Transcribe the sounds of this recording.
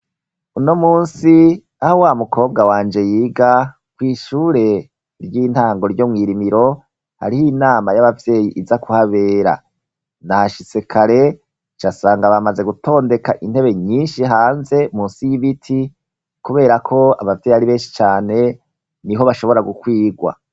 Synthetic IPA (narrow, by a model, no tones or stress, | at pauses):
uno̞muːnsi | ahowaːmukʰo̞ːb̚ɡawaːnd͡ʒe̞jiːɡa | kwiːʃuːɾe̞ | ɾjiːnhaːŋɡo̞ɾjo̞mŋiːɾimiɾo̞ | ha̰ɾihinaːmajaβavje̞ːjiʔizakʰuhaβe̞ːɾa̰ | nahaʃisekʰaɾe̞ | t͡ʃasaːŋɡaβamaze̞ɡutʰo̞ːnde̞kaʔin̥e̞βe̞ɲiːnʃiɦaːnze̞muːnsijiβitʰi | kuβe̞ːɾakʰo̞a̰βavje̞ːjihaɾiβe̞ːnʃi̥t͡ʃaːne̞ | niɦo̞βaʃo̞βo̞ɾaɡukwiːɡwa̰